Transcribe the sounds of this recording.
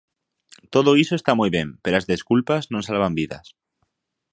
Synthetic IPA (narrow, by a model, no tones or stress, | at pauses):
t̪oðoisoest̪amujβje̞mpelazðe̞skulpaznõnsalβ̞ambiða̰s